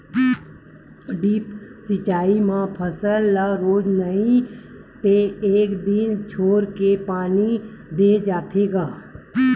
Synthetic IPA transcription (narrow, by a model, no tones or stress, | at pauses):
ɖiːpsɪt͡ʃaːimãpʰəsəlːaɾoːd͡ʒnəĩ | t̪eeːkd̪ɪnt͡ʃʰoːɾkepaːnid̪ed͡ʒaːt̪ʰeːɡaː